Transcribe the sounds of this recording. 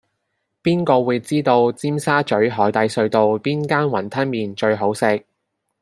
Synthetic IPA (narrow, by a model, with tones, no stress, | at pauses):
piː˥nkɔː˧wuː˨˧jt͡siː˥t̪o˧wt͡siː˥msaː˥t͡ʃɵ˨˥ɥɦɔː˨˥jt̪ɐ˨˧jsɵ˧ɥt̪o˨˧wpiː˥nkaː˥nwɐ˨˩nt̪ʰɐ˥nmiː˨˧nt͡ʃɵ˧ɥɦo˨˥wsɪ˧k̚